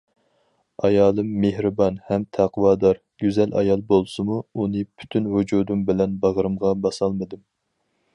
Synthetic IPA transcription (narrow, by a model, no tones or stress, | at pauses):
ɑjɑːlˠɨmːehɾɨbɑnhɛmt̪ʰæqwɑːd̪ɑɾ | ɡ̥ʲyzɛlʔɑ̰jɑlˠbolˠsɨmuunɨpʰy̥t̪ʰynwud͡ʒud̪umbɪlɛnbɑʁəɾɨmʁɑbɑsɑlˠmɨd̪ɨm